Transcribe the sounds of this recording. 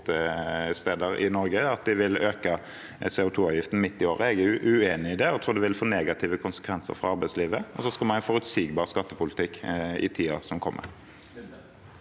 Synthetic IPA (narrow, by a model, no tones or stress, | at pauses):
t̪əst̪eːd̪əʁɪ̰nɔɾɡəɑt̪̚d̪ɪʋɪløːkə | sɛːʊt̪ʰuːɑːʋjɪft̪n̩mɪt̪ːɪoːʁəɛɡæʉʔʉeːnɪɪd̪ɛɔt̪ʰɾuːʁd̪ɛʋɪlfoːneːɡɑt̪ʰɪːʋəkʰʊnsə̥kʰʋɛnsə̰ɾfʁɑ̰ɑɾbæɪsliːʋəɔsɔskɑlmɑnæɪfɔʁʉt̪siːɡbɑːʁskɑt̪ːəpʊlɪt̪ʰɪkːɪ̰t̪ʰiːɑʁsɔmkʰɔmːʔə̰ʁ